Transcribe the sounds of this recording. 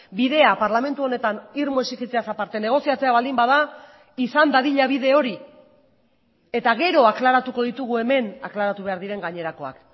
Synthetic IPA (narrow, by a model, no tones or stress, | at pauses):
biðe̞apaɾlame̞nt̪uo̞ne̞t̪aniɾmoesikit͡seasapaɾt̪e̞ne̞ɣ̞o̞siat͡se̞aβald̪imbaða | isand̪aðiʎaβiðe̞o̞ɾi | e̞t̪aɣe̞ɾo̞aklaɾat̪uko̞ðit̪uɣue̞me̞na̰klaɾat̪uβe̞aɾðiɾe̞ŋɡaɲe̞ɾako̞a̰k